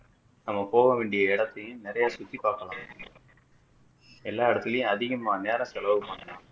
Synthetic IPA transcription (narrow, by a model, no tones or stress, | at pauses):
nɐmːɐpoːɣɐʋeːɳɖɪjɐɪɽɐt̪ːɐjɯ̃mnɪɾɐjaːsʊt̪ːipaːɾkɐlaːm | ɛlːaːɪɽɐt̪ːɪlɐjʊ̃ɐðɪɣɐmaːneːɾɐ̃sɛlɐʋɯpaːɳːɐlaːm